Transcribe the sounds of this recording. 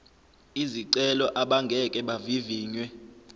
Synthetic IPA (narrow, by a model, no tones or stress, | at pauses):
iziǀɛlɔʔaɓaŋɡʱɛkʼɛɓaviviːɲwɛ